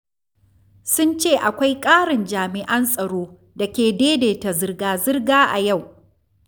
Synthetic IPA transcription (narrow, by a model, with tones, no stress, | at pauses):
sʊ˦nt͡ʃeː˦˨ʔa˨kʷa˦jkʼaː˦ɽɪ˨nd͡ʒaː˨mɪ˨ʔɐ˦nsʼɐ˨ɽoː˦ | da˨kʲeː˨deː˦deː˨ta˨zɪ˦rɡaː˨zɪ˦rɡaː˦ʔa̰˨ja˦˨w